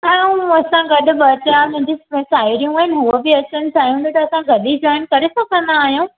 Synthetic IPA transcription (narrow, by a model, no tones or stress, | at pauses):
ɛ̃ːũɐsãɡɐɗʊ̆bɐt̪amʊ̃ɦɪ̃ɲd͡ʑisaːiɾijũaːɦɪnɪɦuəbiɐt͡ɕənɪ̆tʰaːɦijũːnd̪ũt̪ɐɐsãɡɐɗid͡ʑɔːɪnkɐɾesɐkʰə̃nd̪aaːɦijũː